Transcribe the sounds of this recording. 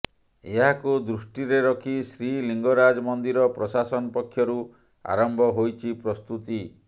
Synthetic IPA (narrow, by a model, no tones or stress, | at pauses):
eɦakud̪ɾusʈiɾeɾɔkʰisɾiliŋɡɔɾad͡ʒɔmɔnd̪iɾɔpɾɔsasɔnɔpɔkʰːjɔɾu | a̰ɾɔmbʱɔɦojt͡ʃʰipɾɔst̪ut̪i